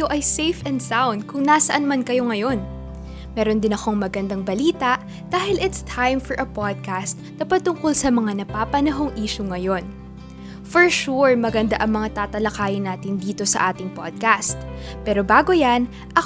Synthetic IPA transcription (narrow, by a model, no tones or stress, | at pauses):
oʔɐjsejfɛnd̪sawnd̪̚kʊŋnasɐʔanmɐnkɐjo̞ŋɐjo̞n | mɛːɾo̞nd̪ɪnɐkoŋmɐɡɐnd̪ɐŋbɐliːt̪ɐʔ | d̪̥aːhɪlɪt̪st̪ʰajmfɔɹʔɐpad̪̚kast̪̚d̪ɐpɐt̪ːʊŋko̞lsɐmɐŋanɐpaːpɐnɐɦo̞ŋʔiːʃʊŋɐjo̞n | fɔɹʃuɹmɐɡɐnd̪a̰ʔɐŋmɐŋat̪aːt̪ɐlɐkaːjɪnaːt̪ɪnd̪iːt̪o̞sɐ̰ʔaːt̪ɪŋpa̰d̪̚kast̪̚ | pɛːɾo̞baːɡo̞jɐn | ʔɐ